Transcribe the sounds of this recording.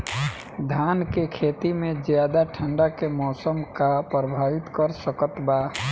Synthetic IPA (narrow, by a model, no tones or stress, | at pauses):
d̪ʱaːnkekʰeːt̪imẽd͡ʒjaːd̪aʈʰə̃ɳɖakemɔːsəmkapɾəbʱaːʋɪt̪kəɾsəkət̪baː